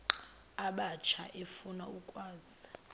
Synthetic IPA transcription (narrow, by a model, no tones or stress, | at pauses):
aɓat͡ʃʰa̰ʔefunaukʼwaːz̥i